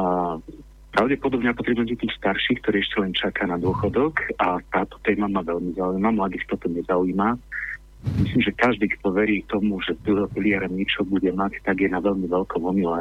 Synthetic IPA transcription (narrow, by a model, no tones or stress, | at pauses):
pɾaʊɟɛpɔd̪ɔbɲapɔt̪ɾɛbuɛcɛt̪iːxst̪aɾʃiːxkt̪ɔɾiɛʃcɛlɛnt͡ʃakaːnad̪ʊɔxɔd̪ɔkat̪aːt̪ɔ̥t̪ɛːmamaʋɛlmizaujmamlad̪ixt̪ɔt̪ɔɲɛzauːma | misliːmʒɛkaʒd̪iːkt̪ɔʋɛɾiːt̪ɔmuʒɛt̪uɦɔpilɪaɾɛmɲɛt͡ʃɔbuɟɛmact̪aɡjɛnaʋɛʎmiʋɛlkɔmɔmila